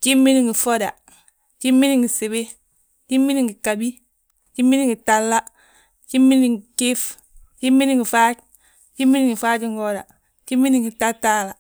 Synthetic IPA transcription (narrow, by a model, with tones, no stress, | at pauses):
t͡ʃi˦mːi˦ni˨ŋɡi˨fo˦da˨ | t͡ʃi˦mːi˦ni˦ŋɡi˨se˨be˦ | t͡ʃi˦mːi˦ni˦ŋɡi˨ka˨bi˦ | t͡ʃi˦mːi˦ni˦ŋɡi˨ta˨lːa˦ | t͡ʃi˦mːi˦ni˨ŋɡi˨ki˦f | t͡ʃi˦mːi˦ni˦ŋɡi˨fa˦t͡ʃ | t͡ʃi˦mːi˦ni˨ŋɡi˨fa˦t͡ʃi˦ŋɡo˦da̰˨ | t͡ʃi˦mːi˦ni˦ŋɡi˨ta˦ta˦la˨